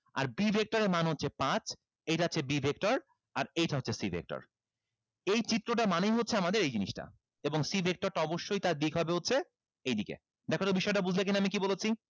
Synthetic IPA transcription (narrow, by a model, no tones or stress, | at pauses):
a̰ɾbibʱek̚ʈoɾemanɦotːɕʰepãt͡ɕ | ejʈaatːt͡ɕʰebibʱek̚ʈoɾ | aɾejʈaɦotːɕʰesibʱḛk̚ʈo̰ɾ | ejt͡ɕit̪ːɾoʈamanejɦotːɕʰeamad̪eɾejd͡ʑiniʃʈa̰ | eboŋsibʱek̚ʈoɾʈaɔboʃːojt̪aɾd̪ikɦɔbeɦotːɕʰe | ejd̪ikḛ | d̪ɛkʰot̪obiʃɔeʈabud͡ʑʱlek̬inaamikibolet͡ɕʰi